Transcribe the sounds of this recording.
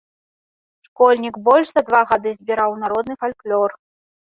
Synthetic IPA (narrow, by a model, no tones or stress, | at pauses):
ʂkɔlʲnʲikbɔlʲʂzɐd̪vaɣad̪ɨzʲbʲiɾawnaɾɔd̪nɨfalʲklʲɔr